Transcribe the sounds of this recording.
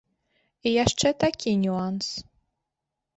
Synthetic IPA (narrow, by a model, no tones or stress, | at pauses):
ijaʂt͡ʂɛt̪akʲʰinʲuans